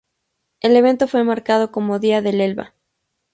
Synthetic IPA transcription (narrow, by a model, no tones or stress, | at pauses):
e̞le̞β̞e̞nt̪o̞fwe̞maɾkað̞o̞ko̞mo̞ðiaðe̞le̞lβa̰